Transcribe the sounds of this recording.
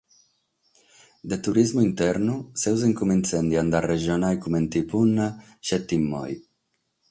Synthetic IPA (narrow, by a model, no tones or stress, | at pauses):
d̪et̪uɾizmuint̪ɛɾnusɛwzeŋkument̪sɛnd̪iand̪areʒjonajkument̪ipunːa | ʃɛt̪ːimːɔ̰j